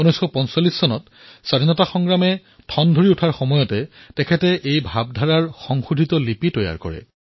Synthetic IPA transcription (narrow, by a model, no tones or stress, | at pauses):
unɔjsxɔpɔnsɔlːisːɔnɔt | sadʱinɔtaxɔŋɡɹamɛ | tʰɔndʱoɹiutʰaɹxɔmɔjɔtɛtɛkʰɛtɛʔejbʱab̚dʱaɹaɹxɔŋxudʱitɔlipitɔja̰ɹkɔ̰ɹɛ̰